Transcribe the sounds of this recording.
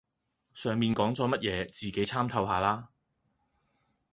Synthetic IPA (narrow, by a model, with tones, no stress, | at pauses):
sœː˨ŋmiː˧nkɔː˨˥ŋt͡sɔː˨˥mɐ˥t̚jɛː˨˧t͡siː˨˩ke˨˥jt͡sʰaː˥mt̪ʰɐ˧wɦaː˨˧laː˥